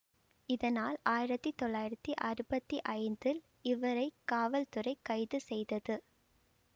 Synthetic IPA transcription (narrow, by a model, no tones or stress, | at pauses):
ɪðɐnaːlaːjɪɾɐt̪ːit̪ɔɭːaːjɪɾɐt̪ːiʔɐɾɯbɐt̪ːiʔɐɪnd̪ɪl | ɪʋɐɾɐɪkːaːʋɐlt̪ɯrɐɪkːɐɪðɯsɛjðɐðɯ